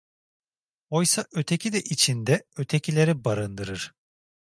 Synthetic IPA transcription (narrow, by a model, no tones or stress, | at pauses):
ojsaʔø̞t̪ʰecʰid̪ɛʔit͡ʃʰind̪ɛøt̪ʰecʰilʲe̞ɾɛbaɾɯnd̪ɯɾɯɾ̥